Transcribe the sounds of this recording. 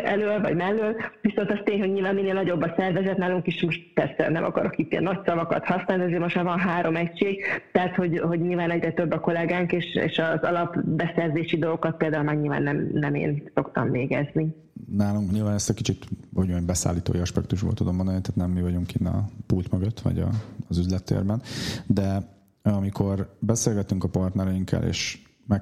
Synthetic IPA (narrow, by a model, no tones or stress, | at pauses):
ʔɛløːlvɒ̰ɟmɛlːylviso̞nt̪ɒst̪eːɲhɦo̞ɟɲilvaːnmineːlnɒɟo̞bːɒsɛrvɛzɛt̪naːluŋkiʃmoʃt̪̚pɛrsɛ̰nɛmɒ̰kɒɾo̞kiːt̪ːiɛ̰nːɒcsɒvɒkɒ̰t̪hɒsnaːlt̪ɛzeːlmoʃɛvɒnɦaːɾo̞mɛcʃeːɡt̪ɛɦat̪ho̞ɟɦo̞ɟɲiːlvaːnɛɟrɛt̪øbːɒko̞lɛɡaːŋkeːʃḛːʃɒzɒlɒpbɛsɛrzeːʃid̪o̞lɡokɒt̪̚peːld̪aːulmaːrɲilva̰ːnːɛmnɛmḛːnso̞kt̪ɒɱveːɡɛzni | naːluŋkɲiːlvaːnɛst̪ɛkit͡ʃit̪oɟombɛsa̰ːlːiːt̪o̰ːjiɒʃpɛkt̪uʒbo̰lt̪ud̪omːbond̪ɒnit̪aːt̪nɛmːivɒɟuŋkinːɒ̰pult̪mɒɡɒt̪ʋɒ̰ɟɒ̰zyzlɛt̪ːḛːrbɛnd̪ɛ | ɒmikʰo̞rbɛseːlɡɛt̪yŋkɒpɒrt̪nɛɾɛiŋkʰːɛ̰lʔḛːʃ | mɛ